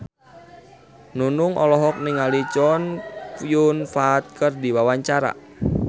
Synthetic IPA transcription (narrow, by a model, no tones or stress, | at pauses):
nunʊŋʔɔ̰lɔɦɔk̚nɪŋalit͡ʃɔnkujunfaːt̪̚kərdiwawaɲt͡ʃaɾa̰